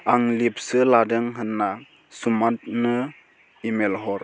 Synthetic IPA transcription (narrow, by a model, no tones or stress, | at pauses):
aŋlip̚sɯladɯŋɦɯnːa | sumat̚nɯ | imelɦɔɾ